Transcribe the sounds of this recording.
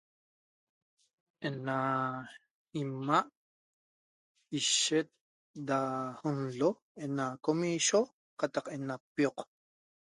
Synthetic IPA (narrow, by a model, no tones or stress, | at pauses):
ʔena | imaʔ | iʃet̪̚ | d̪ahunɮo | enakomiʃo | qɑt̪ɑqʔenapioq